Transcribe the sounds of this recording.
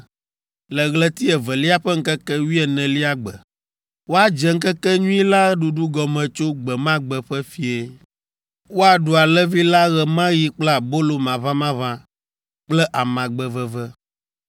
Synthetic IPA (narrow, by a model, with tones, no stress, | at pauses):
lɛ˨ɣlɛ˨t̪i˦ɛ˨vɛ˨li˦a˦ɸɛ˦ŋ̩˦kɛ˦kɛ˦wi˦ɛ˨nɛ̃˨li˦a˦ɡ͡bɛ̰˨ | wo˦a˦d͡ʒɛ˨ŋ̩˦kɛ˦kɛ˦ɲũ˦i˦la˦ɖu˨ɖu˦ɡɔ˨mɛ̃˨t͡ʃo˦ɡ͡bɛ˨mã˦ɡ͡bɛ˨ɸɛ˦fi˨e˨ | wo˦a˨ɖu˨a˨lɛ˦vi˦la˦ɣɛ˨mã˦ji˦k͡pla˨bo˦lo˨mã˨vã˦mã˦vã˦ | k͡plɛ˦ʔa˨mã˨ɡ͡bɛ˨vɛ˨vɛ˦